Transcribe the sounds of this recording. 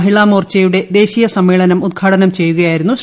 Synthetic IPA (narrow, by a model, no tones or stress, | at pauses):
ɦiɭaːmoːrt͡ɕejuɽe̞d̪e̞ːɕijɐsɐmːeːɭɐnɐmud̪̚ɡʰʱaːʈɐnɐmt͡ɕe̞jːuɣɐjaːjiɾunːu